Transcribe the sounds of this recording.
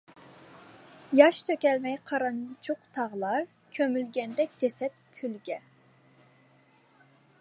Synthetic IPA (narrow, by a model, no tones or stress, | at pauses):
jɑʃt̪ʰøkʲɛlmɛjqʰɑɾɑnt͡ʃʰuqt̪ʰɑʁlˠɑɾ | kʲʰømylɡʲɛnd̪ɛk̚ʲd͡ʒɛsɛt̪̚kʲʰylɡʲɛ